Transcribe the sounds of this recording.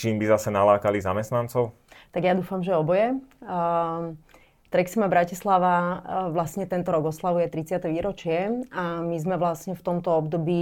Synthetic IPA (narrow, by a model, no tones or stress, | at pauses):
t͡ʃiːmbizasɛnalaːkalizamɛst̪nant͡sɔʊ | t̪aɡjad̪uːfamʒɛɔbɔjɛ | t̪ɾɛksimabɾacislaʋaʋlasɲɛt̪ɛnt̪ɔɾɔɡɔslaʋujɛt̪ɾit͡sɪat̪ɛʋiːɾɔt͡ʃɪɛamizmɛʋlasɲɛft̪ɔmt̪ɔɔbd̪ɔbiː